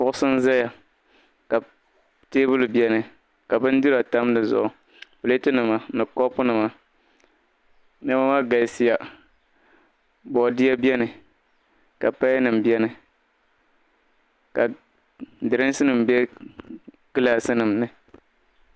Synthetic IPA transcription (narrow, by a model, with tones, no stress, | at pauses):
pʊ˦ʔʊ˦sɨ˦n˦za˦ja˨ | ka˨ | teː˦bʊ˦lbjɛ˦nɨ˨ | ka˨bɨ˦n˦dɨ˦ɾa˨ta˦m˦nɨ˨zʊ̰˨ʔʊ˨ | pɨ˨le˦tɨ˦nɨ˨ma˨˦nɨ˨kɔ˦pʊ˦nɨ˨ma˨ | nɛ˦ma˦ma˦ɡa˨˦si˦ja˨ | bɔ˨di˦a˦bjɛ˦nɨ˨ | ka˨pa˦nɨ˨mbjɛ˦nɨ˨ | ka˨ | dɨ˨ɾɨ˦n˦sɨ˦nɨ˨m˨bɛ˦ | kɨ˦laː˦sɨ˦nɨ˨mnɨ˨